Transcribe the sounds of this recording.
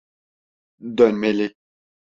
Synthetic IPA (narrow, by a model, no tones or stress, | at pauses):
dɔnmele